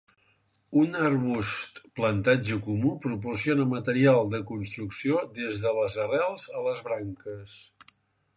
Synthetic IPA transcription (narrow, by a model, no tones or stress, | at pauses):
unərβust̪plənt̪ad͡ʒəkumupɾup̬ursionəmət̪əɾialˠd̪əkunst̪ɾuksiod̪ezðələzərɛlˠzələzβɾaŋkəs